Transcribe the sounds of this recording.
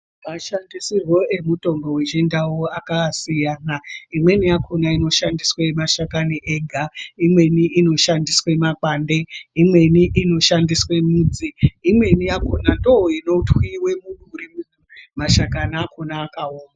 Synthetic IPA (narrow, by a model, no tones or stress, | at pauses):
kaʃandisirwo̞e̞muto̞mbowed͡ʒendawoakasijaːnaimwe̞nijakʰonaino̞ʃandiswemaʃakaniʔeɡʱaimwe̞niʔino̞ʃandiswe̞makaːnde̞imwe̞niʔino̞ʃandiswe̞muːd͡ziːmwe̞nijakonandooino̞twiwe̞muɗurimu | maʃakanaːkonaːkaoːna